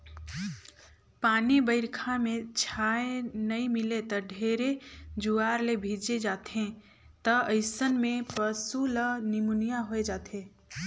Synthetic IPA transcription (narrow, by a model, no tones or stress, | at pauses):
paːnibəɪɾkʰamẽt͡ʃʰaːenəĩmɪlet̪əɖʱeːɾed͡ʒuaːɾlebʱid͡ʒed͡ʒaːt̪ẽ | t̪əəɪsənmẽpəsulənɪmunijaɦoed͡ʒaːt̪ẽː